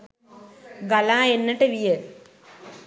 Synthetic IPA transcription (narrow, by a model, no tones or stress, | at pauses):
ɡɐlãːenːɐʈːɨʋijɐ